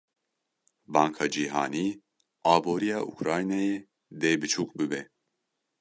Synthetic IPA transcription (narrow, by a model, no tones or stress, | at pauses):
baŋkʰad͡ʒiɦaːni | aːboɾijaʔṵkʰɾajnaji | d̪ɛbit͡ʃʰukbybɛ